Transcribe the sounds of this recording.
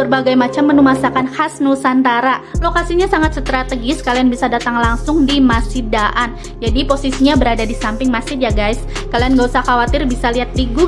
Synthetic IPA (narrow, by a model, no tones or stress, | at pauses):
ərbaɡajmat͡ʃamːənumasakanhasnusant̪aɾalokasiɲasaŋat̪̚sət̪ɾat̪əɡɪskalianbisadat̪aŋlaŋsʊŋdimasidaʔan | d͡ʒadiposisiɲabəɾadadisampɪŋmasɪt̪̚jaɡajskalianɡausahkawat̪ɪrbisaliɦat̪̚diɡu